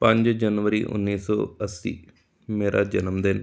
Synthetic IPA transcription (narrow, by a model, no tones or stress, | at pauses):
pɐ̃ɲd͡ʒd͡ʒənʋəɾiːʔʊ̰nːiːsɔ̰ːəsːḭː | meːɾʔad͡ʒənəmd̪ɪn